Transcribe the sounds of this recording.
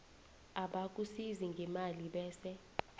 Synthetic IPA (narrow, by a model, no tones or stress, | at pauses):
aɓak̬ʼusiziŋɡʱɛmaliɓɛːsɛ